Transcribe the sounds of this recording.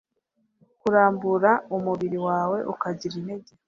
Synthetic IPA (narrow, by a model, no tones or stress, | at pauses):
kuɾaːmbuɾaumuβiɾiwaːwe̞ʔukaɟiɾineɟe